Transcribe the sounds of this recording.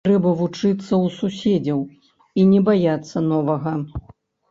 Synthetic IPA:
ɾɛbɐvut͡ʂɨt̪sːɐwsusʲed͡zʲɐw | inʲɛbajat̪sːɐnɔvɐɣɐ

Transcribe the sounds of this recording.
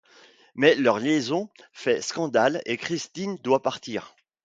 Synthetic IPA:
mɛlœʁljezɔ̃fɛskɑ̃d̪alekχist̪ind̪wapaʁt̪iːʁ

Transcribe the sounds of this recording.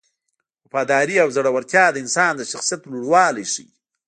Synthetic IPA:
wafɑd̪ɑɾiawzaɽawaɾt̪jɑd̪əɪnsɑnd̪əʃaxsijat̪luɽwɑlajʃḭ

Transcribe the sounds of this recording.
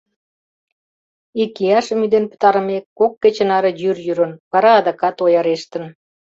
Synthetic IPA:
ikːijɑʃə̆myd̪enpə̥t̪ɑɾə̆mekːokːet͡ɕə̆nɑɾə̆jyrjyɾə̆nβɑɾɑːd̪ɑkɑt̪ojɑɾeʃt̪ə̆n

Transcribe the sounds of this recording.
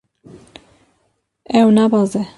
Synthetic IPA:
ɛwnɑbɑːzɛ

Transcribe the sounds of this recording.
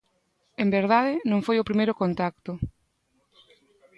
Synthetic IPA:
embeɾðaðɪnõŋfojopɾimejɾokont̪akt̪ʊ

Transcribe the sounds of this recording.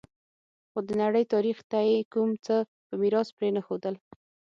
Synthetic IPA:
xod̪ənaɽəjt̪ɑɾixt̪ajekumt͡sə | pəmiɾɑspɾenəxod̪əl

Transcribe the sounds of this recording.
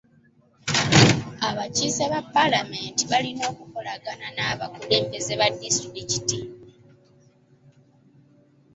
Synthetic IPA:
aβaciːseβapːalame̞ːntiβalino̞ːkuko̞laɡananaːβakule̞ːmbe̞ze̞βadːistiɾici̥ti

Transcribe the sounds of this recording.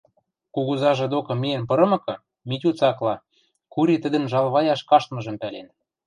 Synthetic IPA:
kuɣuzɑʒɤ̆d̪okɤ̆mienpɤ̆ɾɤ̆mɤ̆kɤ̆ | mitʲut͡sɑklɑ | kuɾit̪ə̆d̪ə̆nʒɑlβɑjɑʃkɑʃt̪mɤ̆ʒɤ̆mpælḛn

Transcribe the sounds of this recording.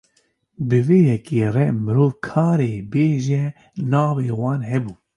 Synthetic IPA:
bɨveːjɛkeːrɛmɨɾoːvkʰɑːɾeːbeːʒɛ | nɑːveːwɑːnɦɛbuː

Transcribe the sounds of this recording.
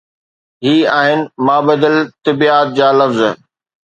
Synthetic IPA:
ɦiːaːɦɪnɪ̆mãːbɐd̪əlt̪ɐbiːaːt̪̚d͡ʑaːlɐfz

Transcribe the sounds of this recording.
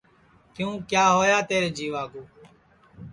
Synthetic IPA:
kjũːkjaːɦoːjaːt̪eːɾd͡ʒiːʋaːɡuː

